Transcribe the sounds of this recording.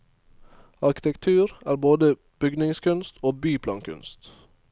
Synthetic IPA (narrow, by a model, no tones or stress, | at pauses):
ɑɾkɪ̥t̪ɛkt̪ʰʉːɾæːɾboːd̪ə | b̥ʏɡnɪŋskʉnst̪ʰoːbyːpʰlɑːŋkʰʉ̰nst̪